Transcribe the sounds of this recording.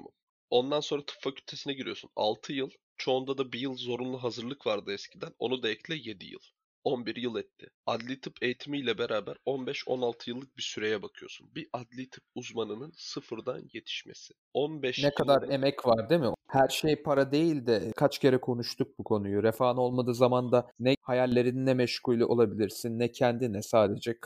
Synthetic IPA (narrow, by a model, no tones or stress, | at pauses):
o̞nd̪anso̞nɾat̪ʰɯ̥pfacʰylʲt̪ʰe̞sinɛɟiɾijo̞suna̰lˠt̪ʰɯjɯlˠ | t͡ʃʰo̞ːnd̪ad̪abijɯlˠzo̞ɾunlˠuɦazɯɾlˠɯkvaɾd̪ɯɛscʰid̪æno̞̰nud̪eɛclʲɛje̞d̪ḭjɯ̰lˠ | o̞nbiɾjɯlˠɛt̪ʰːɪ̰ad̪lʲit̪ʰɯpʰe̞jit̪ʰimijlʲɛbeɾaːbæɾo̞nbɛʃo̞̰nalˠt̪ʰɯjɯlˠːɯk̚bisyɾe̞jɛbakʰɯjo̞sunbiʔad̪lʲit̪ʰɯp̚uzmanɯnɯnsɯfɯɾd̪a̰nje̞t̪ʰi̥ʃme̞̰sɪ̥ | onbɛʃnɛkʰad̪aɾe̞mɛcvaɾd̪emɪhæɾʃejpʰaɾad̪e̞jilʲd̪ɛkʰat͡ʃcʰe̞ɾɛkʰo̞nuʃt̪ʰuk̚bukʰo̞nujuɾefaːno̞lˠmad̪ɯːzamand̪anɛhajalʲːe̞ɾininːɛmɛʃkulʲlʲˠiʔo̞lˠabilʲiɾsinːɛcʰɛnd̪inɛsaːd̪e̞d͡ʒɛkʰ